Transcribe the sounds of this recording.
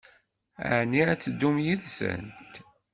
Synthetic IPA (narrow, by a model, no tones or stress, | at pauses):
a̰ʕniæt͡sːəd̪ːumjiðsə̰nt̪